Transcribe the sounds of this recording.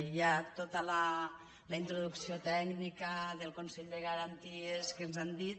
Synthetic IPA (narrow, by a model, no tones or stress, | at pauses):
jat̪ot̪ələ | ləint̪ɾuðuksiot̪ɛɡnikəðəlˠkunsɛʎd̪eɣəɾant̪ieskenzand̪it̪̚